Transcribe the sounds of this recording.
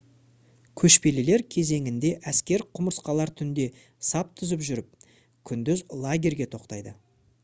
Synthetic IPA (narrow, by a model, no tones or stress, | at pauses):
kʲʰɵʃpe̞lele̞ɾkʲʰe̞ze̞ŋʲɪnd̪e̞ʔæskʲe̞ɾqʰʊməɾəsqɑlˠɑɾt̪ʰʏnd̪e̞ | sɑp̚t̪ʰʏzəpʒʏɾɪp̚ | kʲʰʏnd̪ʏzlˠaɡʲe̞ɾɡʲe̞t̪ʰo̞qt̪ɑjd̪ə